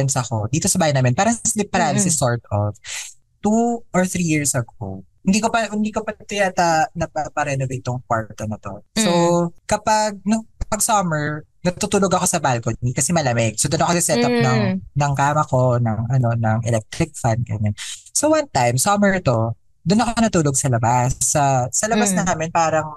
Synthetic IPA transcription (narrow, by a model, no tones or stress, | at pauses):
ɛnsɐko̞d̪iːt̪osɐbaːhjnaːmɛnpaːɾɐŋslɪp̚ːɐɾaːnsɛsoɹt̪ov | t̪uʔɔɹθɾijiɹsɐɡo̰hɪnd̪ikopɐhɪnd̪iːkopɐɐt̪ʊnat̪ɐnɐpɐpɐɾɛnovejt̪ːʊŋkwaɹt̪onɐt̪o̞̰sokɐpaɡ̚nokɐpɐɡ̚samɛɹnɐt̪ut̪uːloɡɐko̞sɐbalkonmikɐsɛmɐlɐmɛɡ̚sod̪ʊnɐkosɐsɛt̪ɐp̚nɐŋnɐŋkaːmɐko̞nɐŋɐno̞nɐŋʔɛ̰lɛk̚t̪ɾɪk̚fand̪̚ɡɐɲansowɐnt̪ajmsamɛɹt̪o̞ | d̪ʊnɐkoonɐt̪uːloɡ̚sɐlɐbasːɐːɐlɐbasnɐɦaːmɪnpaːɾɐŋ